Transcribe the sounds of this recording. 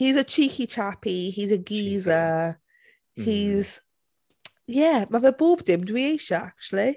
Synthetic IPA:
hizət͡ʃʰiˑkit͡ʃʰapihizəɡiːzə | hiz̥ | jæmavəbuːbd̥ɪ̃mdəwieɪʃəa̰k̚t͡ʃuəli

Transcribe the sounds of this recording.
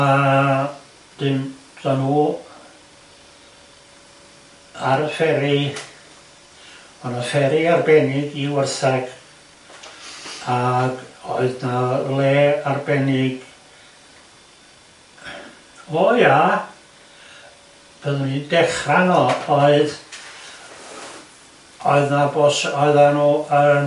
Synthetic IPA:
a | d̥ɨm | d̥anuː | aɾəfɛɾɪ | ɔnafɛɾiarbɛnɪɡiwərθɛɡ̥ | aɡoɨðnalˠeːarbɛnɪɡ̥ | oːja | b̥əðənidɛχranɔɔɨð | ɔɨðnabosɔɨðanuə

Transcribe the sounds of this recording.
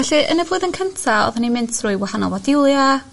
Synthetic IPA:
vɛɬiʔə̰nɛvoːðənkʰəntʰaɔ̰ðanimɪntʰrʊɨwahanɔ̰vadɪwlˠja

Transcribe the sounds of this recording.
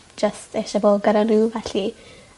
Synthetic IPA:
d͡ʒ̥əstʰɛʃaboːlɡəɾanuvɛɬi

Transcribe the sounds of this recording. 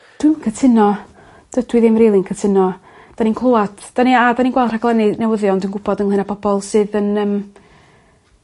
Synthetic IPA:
d̥wɪmnkʰətʰɪnɔ | d̥ədwɪðɪmrejlˠinkʰətʰɪnɔ | d̥aninkʰlˠowadd̥aniadaninɡwɛlˠr̥aɡlˠɛninɛwəðjɔndənɡʊbɔdənlɨnapʰɔb̥ɔlˠsɨːðənəːm

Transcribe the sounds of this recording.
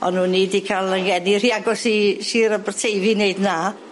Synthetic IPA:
ɔnhuːnːidikʰalˠəŋɡɛniɾiaɡɔsiʃiːɾəbərtʰejvɨneɨdnaː

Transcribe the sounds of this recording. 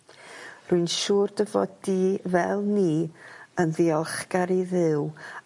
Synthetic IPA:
rʊɨnʃuːrdəvɔdivɛlˠniːənðiɔlˠχɡ̥aɾiðɪw

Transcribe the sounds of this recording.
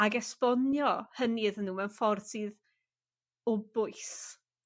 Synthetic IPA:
aɡɛspɔnjɔhəniðənːuːmɛwnfɔrsið | ʊbʊɨs

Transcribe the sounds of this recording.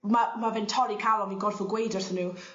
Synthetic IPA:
mamavɪntʰɔɾikʰawˠɔminɡɔrfɔɡwejdɔrθənuː

